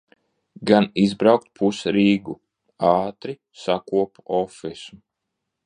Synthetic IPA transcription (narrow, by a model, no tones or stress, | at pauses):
ɡanizbɾawk̚t̪̚pʰusɾiːɡu | ɑːt̪ɾi | sakuɔpɔfisu